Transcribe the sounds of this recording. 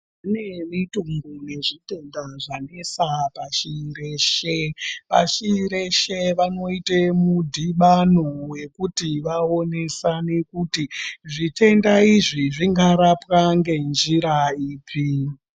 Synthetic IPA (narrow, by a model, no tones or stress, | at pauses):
unemituŋɡune̞ʐite̞ndaʐane̞sapaʃiːɾeʃeʋa̰ʃiiɾeʃeʋano̞itemudʱiɓanowe̞kutiʋao̞ne̞sane̞kutiʐite̞ndaiʐiʐiŋɡaɾapwaŋɡe̞nd͡ʒiɾaiːpʰi